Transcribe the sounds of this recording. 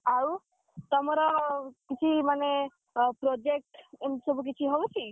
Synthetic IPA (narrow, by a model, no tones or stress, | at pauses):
au | t̪ɔmɔɾɔkit͡ʃʰimane | pɾod͡ʒek̚ʈsɔbuk̬it͡ʃʰiɦɔwt͡ʃʰi